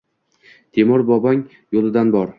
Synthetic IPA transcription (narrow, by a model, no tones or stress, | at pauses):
t̪ʰemɒɾbɒbaŋ | jolˠɪd̪anbɒɾ